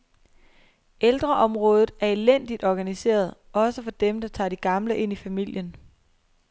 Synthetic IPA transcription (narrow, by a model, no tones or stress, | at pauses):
eld̥ʁɐʔɒ̽mʁɔ̽ːð̞ˠð̩ˠæɐe̝len̰d̥id̥ɒɡ̥ænise̝̰ːɐð̞ˠɒ̽səfɒ̽d̥emd̥ɑ̈t͡sʰɑ̰̈ːd̥iɡ̥ɑ̈mləʔe̝n̰ifæmil̰jən